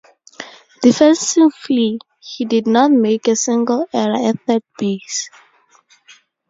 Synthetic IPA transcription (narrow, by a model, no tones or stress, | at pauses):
d̥ifɛ̃nsĩfli | hididnɔt̚mekesĩŋɡəlɛɹaɛθɛd̚bes